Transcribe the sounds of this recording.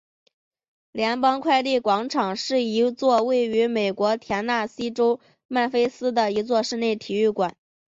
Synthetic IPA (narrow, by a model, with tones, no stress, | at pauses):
ljɛ˧˥npɑ˥ŋkʰwa˥˧ɪli˥˩kwɑ˧˥ŋʈ͡ʂʰɑ˨˩ŋʂɻ̩˥˩i˧˥t͡swɔ˥˧we˥˩ɪy˧˥me˨˩ɪkwɔ˧˥t̪ʰjɛ˧˥nna˥˩si˥ʈ͡ʂo˥ʊ | ma˥˩nfe˥ɪsɹ̩˥d̪ə˨i˧˥t͡swɔ˥˧ʂɻ̩˥˧ne˥˩ɪt̪ʰi˨˩y˥˩kwa˨˩˦n